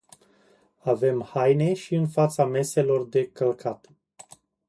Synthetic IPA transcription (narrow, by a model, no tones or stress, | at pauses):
ave̞mhajne̞ʃiɨnfat̪same̞se̞lo̞rd̪e̞kəlkʰat̪